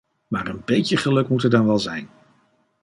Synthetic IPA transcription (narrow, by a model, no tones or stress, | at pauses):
maːrənbejtəχəlɵkmutɛɹdɑnʋɛlˠzɛjn